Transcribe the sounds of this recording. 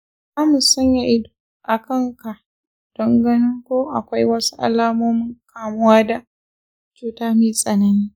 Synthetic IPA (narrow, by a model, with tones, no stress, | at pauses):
a˦mʊ˨sɐ˦ɲja˨ʔɪ˦do̥˨ | ʔa˨kɐ˦˨ŋka˨ʔ | d̥ɐ˦ŋɡɐ˦nɪ˦ŋkʷoː˦ʔa˨kʷa˦jwɐ˦su̥˦ʔa̰˨laː˦moː˦mɪ˦ŋkaː˨mʊ˦waː˦da˨ | t͡ʃuː˨taː˦miː˦sʼɐ˨nɐ˨niː˦